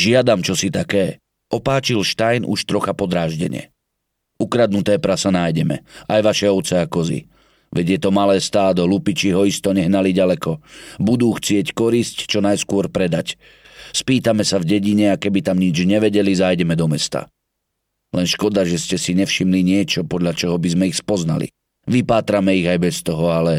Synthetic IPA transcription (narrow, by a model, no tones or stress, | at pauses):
ʒɪad̪amt͡ʃɔsit̪akɛː | ʔɔpaːt͡ʃilʃt̪ajnʔṵʃt̪ɾɔxapɔd̪ɾaːʒɟɛ̰ɲɪɛ̰ | ukɾad̪̚nut̪ɛːpɾasanajɟɛmɛ̰ʔajʋaʃɛɔʊt͡sɛakɔzḭ | ʋɛɟjɛt̪ɔmalɛːst̪aːd̪ɔɦlupit͡ʃiɦɔist̪ɔɲɛɦnaliɟalɛkɔbud̪uːxt͡sɪɛckɔɾisct͡ʃɔnajskʊɔɾpɾɛd̪ac | spiːt̪amɛsavɟɛɟiɲɛakɛbit̪amɲid͡ʒɲɛʋɛɟɛlizajɟɛmɛd̪ɔmɛst̪a̰ | lɛnʃkɔd̪aʒɛscɛsiɲɛfʃimliɲɪɛt͡ʃɔpɔd̪ʎat͡ʃɔɦɔbizmɛixspɔzna̰lḭ | ʋipaːt̪ɾamɛiɣajbɛst̪ɔɦɔalɛ